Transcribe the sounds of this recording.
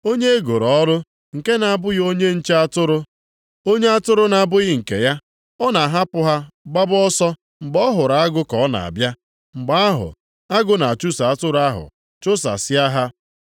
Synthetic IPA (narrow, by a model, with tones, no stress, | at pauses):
o˦ɲe˦e˦ɡo˨ɾɔ˨˦ɾʊ˦ | ŋ̩˨ke˦na˨a˨bʊ˦ɣo˦ɲe˦n̩˦t͡ʃe˦a˦tʊ˦ɾʊ˦ | o˦ɲe˦a˦tʊ˦ɾʊ˦na˨bʊ˦ɣɪ˦ŋ̩˨kḛ˨ja˦ | ɔ˦na˨ɦa˦pʊ˦ɦa˦ɡ͡ba˦bʊ˦ɔ˦sɔ˦ | ŋ͡m̩˨ɡ͡bɔ˦ɦʊ˨ɾa˨a˦ɡʊ˦kɔ˨˦na̰˨a̰˨bja˦ | ŋ͡m̩˨ɡ͡ba˦a˦ɦʊ̰˨ | a˦ɡʊ˦na˨a˨t͡ʃu˦sa˨a˦tʊ˦ɾa˦ɦʊ̰˨ | t͡ʃʊ˦sa̰˨sɪ˦a˦ɦa˦